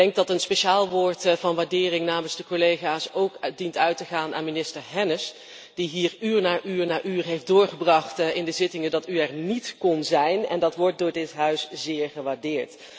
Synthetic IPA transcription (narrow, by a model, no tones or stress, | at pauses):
ɛŋk̚dɑtənspeʃaːlˠʋʊːɹtvɑnʋaːɹdɪːrɪŋnaːmənzdəkolejχaːsowkdintœɥtəχaːnʔaːnminɪstəɹɦɛnəs | d̥iɦiːɹyːɹnaːɹʔyːɹnaːɹʔyːɹɦejfdʊːɹχəbrɑχtɪndəzɪtɪŋəndɑtyɛɹnitkɔnzɛjnɛ̰ndɑtʋɔɹt̚dʊːɹdɪtɦœɥszɪːɹχəʋaːɹdɪːɹt